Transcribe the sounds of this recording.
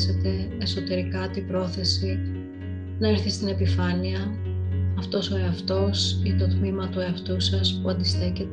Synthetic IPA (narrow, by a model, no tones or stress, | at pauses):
se̞t̪e̞ːso̞t̪e̞ɾikɐt̪ibɾo̞θe̞si | nɐeɾθist̪ine̞pifɐniɐ | ɐft̪o̞so̞eɐft̪o̞sit̪o̞t̪mimɐt̪ueɐft̪usɐspuɐnd̪ist̪e̞cet̪